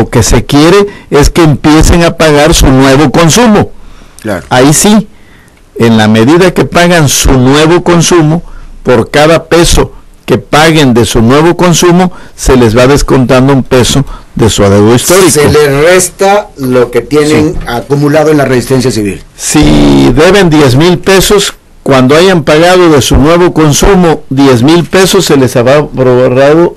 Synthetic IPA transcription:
oke̞se̞kje̞ɾe̞e̞skeːmpje̞se̞ŋapaɣaɾsunwe̞βo̞ko̞nsumo̞ | la̰aisi | enlame̞ðiðake̞paɣansunwe̞βo̞ko̞nsumo̞po̞ɾkaðape̞so̞ke̞paɣe̞nd̪e̞sunwe̞βo̞ko̞nsumo̞se̞le̞zβaðe̞sko̞nt̪and̪oumpe̞so̞ðe̞suaðewðoist̪o̞ɾiseolerest̪aloke̞t̪je̞neŋakumulaðoenlaresist̪e̞ns̬jasiβḭlsiðe̞βe̞nd̪je̞zmilpe̞so̞s | kwand̪oaʝampaɣaðo̞ðe̞sunwe̞βo̞ko̞nsumo̞ðje̞zmilpe̞so̞sːe̞le̞saβɾapɾoβoraðo̞

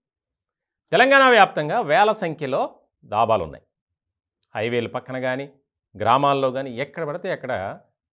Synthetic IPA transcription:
t̪ɛlɐŋɡaːɳaːʋjaːp̚t̪ɐŋɡaːʋɛːlɐsɐŋkʰjɐlo̞ː | d̪aːbaːlṵnːa̰ːj | hɐjʋeːlupɐkːɐɳɐɡaːni | ɡɾaːmaːlloːɡaːniɛkːɐɽɐbɐɽɐt̪eːɐkːɐɽɐ̰

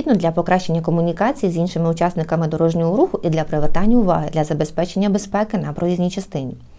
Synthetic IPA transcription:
id̪nɔd̪lʲɐpɔkɾɑʃt͡ʃe̞nʲːɐkɔmʊnʲikɑt͡sʲijizʲinʃɪmɪʊt͡ʃɑsnɪkɐmɪd̪ɔɾɔʒnʲɔɦɔɾuxʊʔid̪lʲɐpɾɪʋet̪ɑnʲːɐʊʋɑ̰ɦɪd̪lʲɐzɐbespɛt͡ʃe̞nʲːɐbespɛkɪnɐpɾɔʋʲizʲnʲijt͡ʃɐst̪ɪnʲi

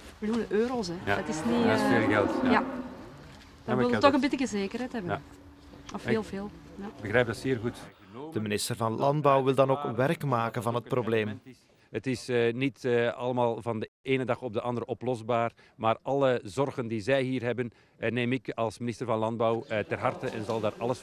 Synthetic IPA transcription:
bljunəʔøːɾosɛɑtɪsnisveːlɣɛlˠta | d̥ɪlˠtɔxənbɪtɪkəzeːkərɛjtɦɛbə | ɔfːlˠveːlˠ | jbəɣrɛːjb̚dɑtseːrɣutd̥əminɪstərvɑnlɑndbɑwʋɪlˠdɑnoːkʋɛrkmaːkənvɑnɦət̚probleːm | ɦətɪsnitɑləmaːlˠvɑndəʔeːnədɑxɔb̚dəʔɑndəɾəʔɔplɔzbaːr | maːrʔɑlˠəzɔrɣəndizɛjɦiːrɦɛbən | neːmɪkɑlˠsminɪstərvɑnlɑnd̚bawtɛrɦɑrtəʔɛnzɑlˠdaːrʔɑlˠəs

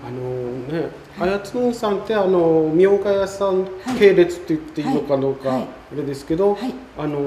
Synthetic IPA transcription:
ano̞ne̞ | ajat͡sɨnõɰ̃sãnt̪e̞ano̞mʲio̞ɡajasãŋke̞ːɾe̞t͡sɨ̥t̪ːe̞ɯt̪ːe̞inokad̪o̞ːkaː | ɾe̞d̪e̞sɨ̥ke̞d̪o̞ | ano̞

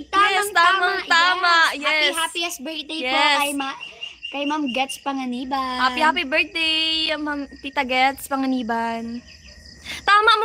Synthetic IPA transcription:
t̪jaɛst̪aːmɐŋt̪aːmɐʔjɛshaːpiɛsbɛɹt̪̚d̪ejjɛkɐjmakɐjmamɡɛt̪spɐŋɐniːbɐhapihaːpibɛ˞t̪̚d̪ejɐmamt̪it̪ɐɡɛt̪spɐŋɐniːbɐn | t̪aːmɐʔmɐ

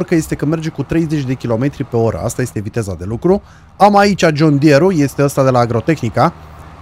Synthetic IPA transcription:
rkəje̞st̪e̞kəme̞rd͡ʒe̞kut̪ɾe̞jze̞t͡ʃʲd̪e̞kʲilo̞me̞t̪ɾipe̞o̞ɾə̰a̰st̪aje̞st̪e̞vit̪e̞zad̪e̞lukɾu | amait͡ʃʲad͡ʒond̪ie̞ɾuje̞st̪eəst̪ad̪e̞laːɡɾo̞t̪e̞xnika

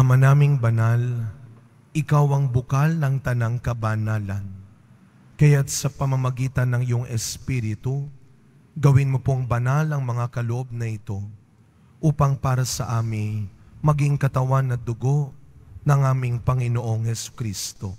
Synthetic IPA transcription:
ʔɐmɐnaːmɪŋbɐnal | ʔɪkawɐŋbʊkalnɐŋt̪ɐnaŋkɐbanaːlɐn | kɐjat̪̚sɐpɐmɐmɐɡiːt̪ɐnːɐŋɪjoŋʔɛspiɾɪt̪u | ɡɐwɪnmopoŋbɐnalɐŋmɐŋakɐloʔo̞b̚nɐʔɪt̪o̞ | ʔuːpɐŋpaːɾɐsɐʔaːmɪŋmɐɡiŋkɐt̪ɐwanːɐd̪ʊɡo̞ʔnɐŋʔaːmɪŋpɐŋɪno̞ʔo̞ŋhɛsʊ̥kɾist̪o̞

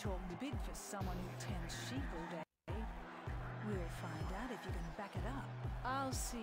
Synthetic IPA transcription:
tʰɔkŋ̩ðɨbɪdⁿn̩fə˞sʌ̃mwʌ̃nhʉtʰɛ̃nz̥ʃiɾvlˠde | wilˠfãɪ̃ndaʊɾɨfjɨkɨ̃nbækɨɾʌp̚aɪlˠsi

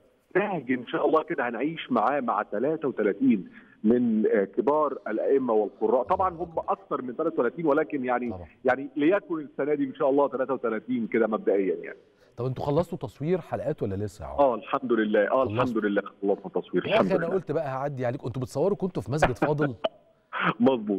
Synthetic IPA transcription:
tæhɡiʔenʃæːʔɑlˤːɑːked̪æhænʕiːʃmaʕaːmaʕat̪ælæːt̪æwet̪ælæːt̪iːn | menkebɑːɾˤælʔæ̰ʔemːæwelqorˤːɑːʔt̪ˤɑbʕɑnhomːæʔɑkt̪ɑɾˤment̪ælæːt̪æwt̪ælæːt̪iːnwælæːkenjaʕnibjaʕnilejækonesːænæːd̪ienʃæːʔɑlˤːɑːt̪ælæːt̪æwet̪ælæːt̪iːnked̪æmæb̚d̪æʔejːænja̰ʕni | t̪ˤɑbʔent̪uxɑlːɑsˤt̪ot̪ɑsˤwiːɾħalʔæːt̪wælːælesːæjaʕ̰ʔæːlħamd̪olelːæːʔæːlħamd̪olelːæːɑlːɑsˤnɑt̪ːɑsˤwiːɾælħamdæʔææʔolt̪bæʔæhaʕad̪ːiaʕaleːkʔent̪obet̪sˤɑwːeɑɾˤkont̪ofimæs̬ɡed̪fɑːd̪ˤɨl | mɑzˤbuːt̪̚ˤ

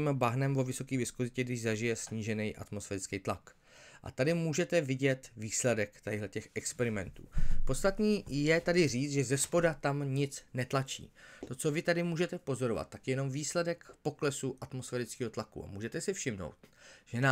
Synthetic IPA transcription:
mbaɦnɛmvo̞vɪso̞kiːvɪskozɪcɛɡdɪʒzaʒɪjɛsɲiːʒɛnɛjʔa̰t̪mosfɛːɾɪt͡skejt̪la̰k | ʔa̰t̪adɪmuːʒɛt̪ɛvɪɟɛt̪viːslɛdɛkt̪ɛɦlɛcɛxɛkspɛɾɪmɛ̰nt̪ṵːpo̞t̪st̪at̪niːjɛt̪adɪr̝iːt͡s̪ʒɛzɛspo̞dat̪amɲɪt͡snɛt̪lat͡ʃḭːt̪o̞t͡so̞vɪt̪adɪmuːʒɛt̪ɛpo̞zo̞ɾo̞va̰t̪̚t̪ːakjɛno̞mviːslɛdɛkpo̞klɛsuʔat̪mo̞sfɛːɾɪt͡skiːɦo̞t̪lakṵa̰muːʒɛt̪ɛsɪfʃɪmno̰wt̪̚ʒ̥ɛna

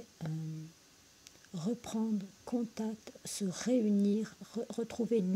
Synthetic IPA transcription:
ʁəpχɑ̃d̪ʁkʰɔ̃t̪ak̚t̪səʁeyniʁəʁət̪χuven

